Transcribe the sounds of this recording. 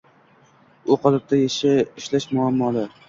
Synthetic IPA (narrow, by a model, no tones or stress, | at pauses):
oqʰɑlɪp̚t̪ʰajaʃaɪʃlaʃmʊamːɒlaɾ